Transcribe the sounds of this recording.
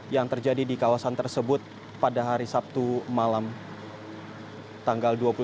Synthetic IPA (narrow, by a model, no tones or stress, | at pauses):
jaŋt̪ərd͡ʒadidikawasant̪ərsəbʊt̪̚ | padaɦaɾisap̚t̪umalam | t̪aŋɡalduapul